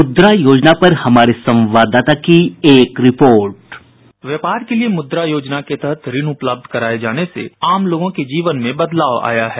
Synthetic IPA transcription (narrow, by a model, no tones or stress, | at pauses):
mʊd̪ɾajoːd͡ʒnapɐɾhɐmaːɾesɐ̃mʋaːd̪aːt̪akieːkɾɪpoːɾʈ | ʋjeːpaːɾkeliemʊd̪ɾajoːd͡ʒnaket̪ɐɦət̪ɾɪnʊpləb̚d̪ʱkɐɾaːed͡ʒaːnesḛaːmloːɡõked͡ʒiːʋənmẽbɐd̪laːʋa̰ːjaɦɛː